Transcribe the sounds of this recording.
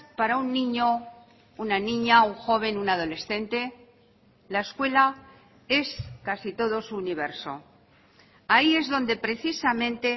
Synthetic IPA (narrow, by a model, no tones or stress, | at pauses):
paɾaunːĩɲo̞ | unanĩɲauŋxo̞β̞e̞nunað̞o̞le̞sθẽ̞nt̪e̞ | laeskwe̞la | e̞skasit̪o̞ðo̞suːniβ̞e̞ɾso̞̰ | aie̞zðo̞nd̪e̞pɾe̞θisamẽ̞nt̪e̞